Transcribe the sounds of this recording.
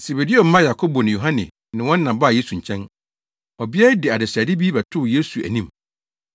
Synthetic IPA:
se˨be˨di˦o˨m̩˦mã˦ja˨kʰo˦bo˨nɪ̃˨jo˨ɦã˦nɪ̰̃˨ | nɪ̃˨wɔ̃˦n˦nã˨ba˦˨je˦su˨ɲ̩˨t͡ɕʰɛ̃˦n | ɔ˨bɪ˦ɛ˦ɾɪ˦dɪ˨a˨dɪ˨sæ˨dɪ˦biː˦bɛ˨tʰʊ˦˨je˦su˨æ̰˨nĩ˦m

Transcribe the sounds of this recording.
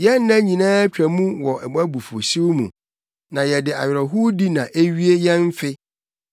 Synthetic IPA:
jɛ˦nː˦ã˦ɲĩ˨nãː˦t͡ɕᶣɾæ˨mũ˦wɔ˨ʔɛ˨ba˦bu˨fo̰˨si˦wmṵ̃˨ | nã˨jɛ˨dɪ˨a̰˨ɥɾɛ˨ɦu˦di˦nã˨ʔe˦ɥi˦e˦jɛ̃˦m˦fɪ˦

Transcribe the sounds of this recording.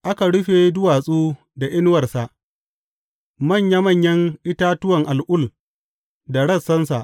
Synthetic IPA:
ʔa˦ka˨ɽʊ˦ɸe˨dʊ˦waː˨sʼuː˦ | da˨ʔɪ˦n˦wɐ˨rsa˨ʔ | mɐ˦˨ɲja˦mɐ˦˨ɲjɐ˦ŋʔɪ˦taː˦tʊ˦wɐ˨ŋʔa˨lʔʊ˦˨l | da˨ɽɐ˦˨sːɐ˦nsa˨ʔ

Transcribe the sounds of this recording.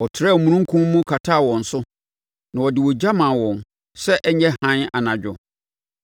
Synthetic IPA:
ɔ˨tʰɪ˨ɾa˦˨mũ˨nũ˦ŋ̩˦kʰũ˦m˦mʊ̃˦kʰa˨tʰaː˦˨wɔ̃˨n̩˨sʊ˦ | nã˨wɔ˨dɪ˨wɔ˨d͡ʑa˦mã˨wɔ̃˨n | sɛ˦ʔɛ˦ɲɛ̃˦hã˦na˨nã˨d͡ʑᶣʊ˨

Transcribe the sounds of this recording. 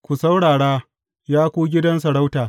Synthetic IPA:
kʷu˨sa˦wɽaː˨ɽaː˦ | jaː˦kʷuː˦ɡʲɪ˦dɐ˦ns̬ɐ˨ɽa˦wtaː˨

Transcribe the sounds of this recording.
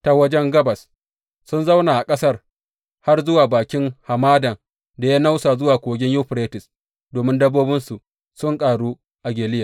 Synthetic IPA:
ta˨wɐ˦d͡ʒɛ˦ŋɡɐ˦bɐ˨s | sʊ˦nza˦wnaː˨ʔa˨kʼɐ˦sɐ˦r | ha˦rzʊ˦waː˨baː˨kʲɪ˦ŋha˨maː˦dɐ˨ŋ | da˨ja˦na˦wsaː˨zʊ˦waː˨kʷoː˨ɡʲɪ˦ɲjuː˦ɸɾeː˦tɪ˨s | doː˨mɪ˦ndɐ˦bːoː˦bɪ˦nsu˨ʔ | sʊ˦ŋkʼaː˨ɽuː˦ | ʔa˨ɡʲeː˨lɪ˦jaː˨

